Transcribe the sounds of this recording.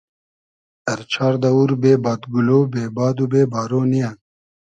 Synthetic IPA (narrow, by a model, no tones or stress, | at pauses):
ɐɾt͡ɕʰaːɾd̪ɐuɾbeːbɑːt̪ɡuloːbeːbɑːd̪ubeːbaːɾoːnijan